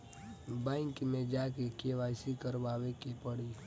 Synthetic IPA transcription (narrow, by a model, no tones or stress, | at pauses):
bãŋkmẽd͡ʒaːkekeʋaːsikəɾʋaːwekepəɽi